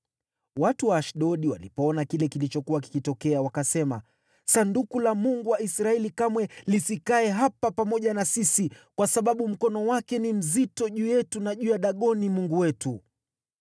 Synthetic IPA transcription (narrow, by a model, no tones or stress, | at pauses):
watuwaːʃɗɔɗiwa̰lipɔɔnakilɛkilit͡ʃɔkuwaki̥kitɔkɛawakasɛma̰ | sandukulamuŋɡuwaisɾaɛlikamwɛlisikaɛɦapapamɔʄanasisikwasaɓaɓum̩kɔnɔwakɛnim̩zitɔʄuːjɛtunaʄuːjaɗaɠɔnimuŋɡuwɛtu